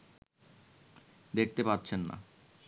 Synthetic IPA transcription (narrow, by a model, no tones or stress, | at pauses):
d̪ek̚ʰt̪epatːɕʰenːa̰